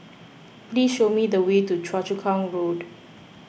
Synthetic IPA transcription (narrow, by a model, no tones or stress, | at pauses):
plisʃomidəwetut͡ʃʰɹat͡ʃukʰãŋɹod